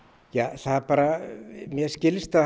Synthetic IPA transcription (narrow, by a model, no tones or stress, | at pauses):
jaːθaðpaːɾamjɛscɪlɪst̪a